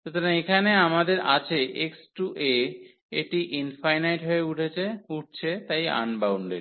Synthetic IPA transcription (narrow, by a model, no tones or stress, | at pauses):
ʃot̪ʰoɾaŋekʰaneamad̪eɾat͡ɕʰeeksʈuʔe | eʈiʔinfajnajʈɦoeuʈʰet͡ɕʰeuʈ̚t͡ɕʰet̪aja̰nbawɳɖḛɖ